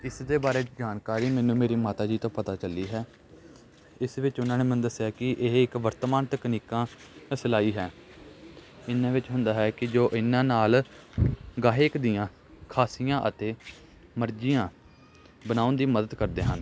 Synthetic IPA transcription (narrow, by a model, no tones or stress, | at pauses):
ɪsd̪eːbaːɾeːd͡ʒaːnkaːɾiːmɛːnũːmeːɾiːmaːt̪aːd͡ʒiːt̪õːpət̪aːt͡ʃəliːɦɛː | ɪsʋɪt͡ʃʊnãːneːmənd̪əsjaːkɪʔeːɪkʋəɾt̪maːnt̪əkniːkãː | səlaːiːɦɛː | ɪnãːʋɪt͡ʃɦʊ̃nd̪aːɦɛːkɪd͡ʒoːʔɪnãːnaːl | ɡaːɦekd̪ɪjãː | kʰaːsijãːʔət̪eː | məɾd͡ʒɪjãː | bənaːʊnd̪iːməd̪əd̪kəɾd̪eːɦən